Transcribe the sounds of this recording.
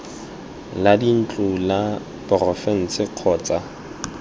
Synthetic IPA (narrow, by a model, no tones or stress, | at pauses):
ladin̩t͡ɬʼʊla | pɔrɔfɛn̩t͡sɪq͡χʰɔːt͡sʼa